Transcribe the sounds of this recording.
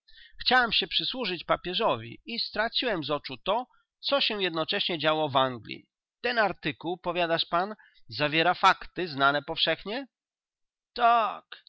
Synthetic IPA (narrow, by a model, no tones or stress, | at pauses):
xt͡ɕawɛmɕɛpʂɘswuʐɘt͡ɕpapʲjɛʐɔvʲḭist̪ɾat͡ɕiwɛmzɔt͡ʂut̪ɔ | t̪sɔɕɛjɛd̪nɔt͡ʂɛɕɲɛd͡ʑawɔvaŋɡlʲḭ | t̪ɛnaɾt̪ɘkuwpɔvʲjad̪aʂpan | zavʲjɛɾafakt̪ɘznanɛpɔfʂɛxɲɛ | t̪ak